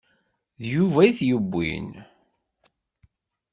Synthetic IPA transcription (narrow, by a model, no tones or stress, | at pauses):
ðjuvæiθjəbːḭn